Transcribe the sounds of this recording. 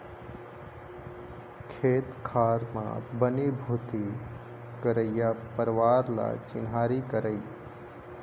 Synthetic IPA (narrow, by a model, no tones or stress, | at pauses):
kʰeːt̪kʰaːɾmã̰bənibʱut̪i | kəɾəjjapəɾʋaːɾla̰t͡ʃɪ̰nɦaɾikəɾəj